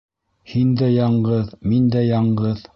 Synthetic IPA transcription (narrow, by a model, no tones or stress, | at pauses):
hind̪æjɑɴɢɤðmind̪æjɑɴɢɤð